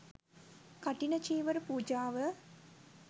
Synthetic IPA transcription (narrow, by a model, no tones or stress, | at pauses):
kaʈinət͡ʃiːʋəɾupuːd͡ʒaːʋə